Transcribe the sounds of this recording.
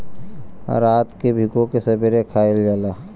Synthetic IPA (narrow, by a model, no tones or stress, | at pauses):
ɾaːt̪kebʱɪkõkesɐbiɾekʰaːɪld͡ʒaːlaː